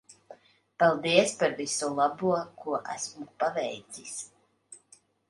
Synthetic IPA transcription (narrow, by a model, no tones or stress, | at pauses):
palˠd̪iɛspaɾvisulˠabuɔkuɔʔæ̰smupavɛjt̪sis